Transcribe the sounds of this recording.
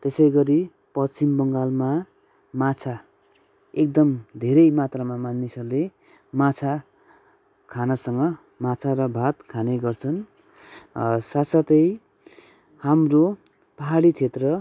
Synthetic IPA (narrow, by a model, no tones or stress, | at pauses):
t̪esʌjɡʌɾi | pʌt͡simbʌŋɡalma | mat͡sʰa | ek̚d̪ʌmd̪ʱeɾʌjmat̪rʌmamanːisʌrule | mat͡sʰa | kʰanasʌŋɡʌ | mat͡sʰaɾʌbʱat̪kʰaneɡʌrt͡sʰʌn | sat̪sʌt̪ʌj | hamro | paɦaɽit͡sʰet̪rʌ